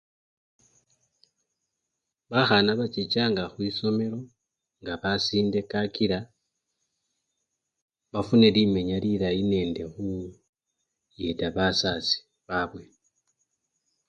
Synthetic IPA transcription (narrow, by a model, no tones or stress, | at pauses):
βaxanaβat͡ʃit͡ʃaːŋɡaxwiso̞me̞lo̞ | ŋɡaβasiːnde̞kakiɾa | βafune̞lime̞ɲaliɾaine̞ːnde̞xu | jetaβasasi̥ | βaβwe̞